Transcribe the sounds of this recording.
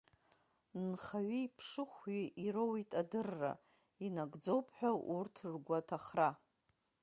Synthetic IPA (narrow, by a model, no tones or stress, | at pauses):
nχaɥiːpʰʂɨχʷɥiʔiɾowitʼadɨrːa̰ | inaɡd͡zo̞wpʰħʷᶣaʔurtʰɨrɡʷatʰaχra